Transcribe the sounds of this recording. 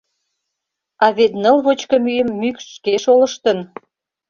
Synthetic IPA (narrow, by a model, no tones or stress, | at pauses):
ɑβet̪nə̆lβot͡ɕkə̆myjəmːykʃkeʃolə̆ʃt̪ən